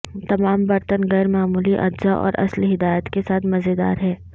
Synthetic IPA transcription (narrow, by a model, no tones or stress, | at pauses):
t̪ɐmaːmbɐɾt̪ənɣɛːɾmaːmuːliʔɐ̰dzaʔɔ̰ːɾɐ̰slɦɪd̪aːjət̪kesaːt̪ʰmɐzed̪a̰ːɾɦɛː